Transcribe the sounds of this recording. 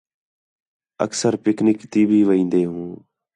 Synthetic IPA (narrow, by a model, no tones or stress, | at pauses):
ə̰ksəɾpɪknɪkt̪iːbʱiːʋəĩːnd̪eːɦũː